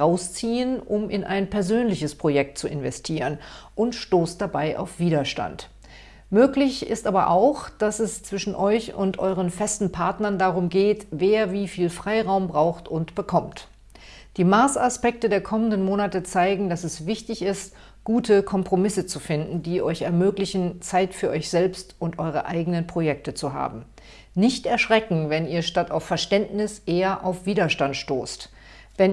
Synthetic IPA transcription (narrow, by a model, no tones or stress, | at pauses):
ʁaʊst͡siːənʔʊmɪnʔa̰ɪnpʰɛɐzøːnlɪçəspʁ̥ojɛk̚tt͡suʔɪnvɛstʰiːʁənʔʊntʃtoːstd̥abaɪʔa̰ʊfv̥iːɾɐʃta̰nt | møːklɪçɪ̰stʔaːbɐʔaʊxd̥asɛst͡sv̥ɪʃn̩ʔɔʏçʊntʔɔ̰ʏʁ̞ənfɛstn̩pʰaɐtnɐndaːʁʊmɡeːtveːɐviːfiːlfʁ̥aɪʁaʊmbʁaʊxtʊntb̥əkʰɔmt | d̥iːmaːsaspɛk̚tədeːɐkʰɔməndənmoːnatət͡saɪɡŋ̩dasɛsv̥ɪçtɪçɪst | ɡ̥uːtʰəkʰɔmpʁ̥omɪsət͡sufɪndn̩diːʔɔʏçɛɐmøːklɪçn̩t͡saɪtfyːɐʔɔʏçz̥ɛlpstʊntʔɔʏʁəʔa̰ɪɡənənpʁ̥ojɛk̚tət͡suɦa̰ːbm̩ | nɪçtʔɛɐʃʁ̥ɛkŋ̩vɛniːɐʃtata̰ʊfːɛɐʃtɛntnɪsʔeːɐʔaʊfv̥iːdɐʃtantʃtoːst | vɛn